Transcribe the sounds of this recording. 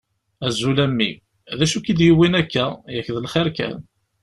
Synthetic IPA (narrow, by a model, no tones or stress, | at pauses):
æzːulæmːḭ | ðæʃukid̪jiwinækːæjækːðəlχɪɾkæ̰n